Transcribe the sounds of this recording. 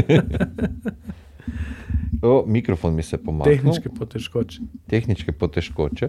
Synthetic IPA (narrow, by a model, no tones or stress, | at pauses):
əmikɾofonmisɛpomaexnnukepot̪ɛʃkot͡ʃe̥t̪exnit͡ʃkɛpot̪ɛʃkot͡ʃɛ